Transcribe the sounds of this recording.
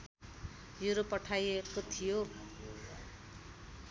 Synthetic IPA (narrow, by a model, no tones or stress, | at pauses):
juɾopʌʈʰajekot̪ʰijo